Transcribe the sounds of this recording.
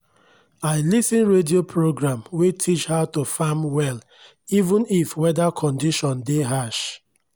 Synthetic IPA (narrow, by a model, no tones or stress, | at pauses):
aɪlisĩnɹediopʰɹoɡɹãmwetʰit͡ʃhatofamwɛl | ivũnifwɛdakʰɔ̃ndiʃɔ̃ndeɦaʃ